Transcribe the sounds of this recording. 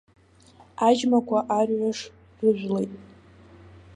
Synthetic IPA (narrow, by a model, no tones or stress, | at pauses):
ad͡ʒmakʷʰaʔarʕʷaʂ | rɨʒʷlejtʼ